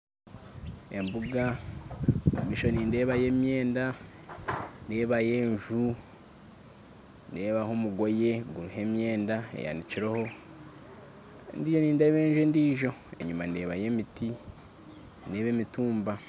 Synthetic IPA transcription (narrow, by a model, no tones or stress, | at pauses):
embuɡa | emiʃo̞niːnde̞ːβaje̞mje̞ːnda | neːβaje̞ːɲʒu | ndeːβahomuɡo̞je̞ɡuɾuɦe̞mje̞ːndaḛja̰niciɾoho̞ | ndiːʒo̞niːndeβe̞ːɲʒuendiːʒo̞e̞̰ɲumande̞ːβaje̞miti | ne̞ːβeːmituːmba